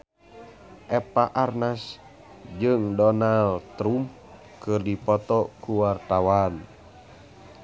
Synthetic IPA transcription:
ʔɛpaʔarnas | d͡ʒɨŋdɔnalt̪ɾum | kɨrdipɔt̪ɔkuwart̪awan

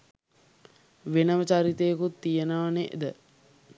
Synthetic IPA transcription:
ʋenəʋət͡ʃaɾit̪ejːkut̪ːijənaːneʔḛd̪ə

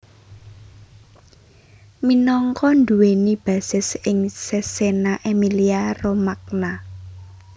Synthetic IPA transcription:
minɔŋkɔnd̪uwenib̥a̤sɪsɪŋsesenaʔemiliaromak̚na

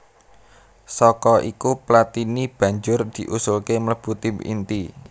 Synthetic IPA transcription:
sɔkɔʔikuplat̪inib̥ä̤ɲd͡ʒʊrd̪̥i̤ʔusʊlkemələb̥ut̪imḭnt̪i

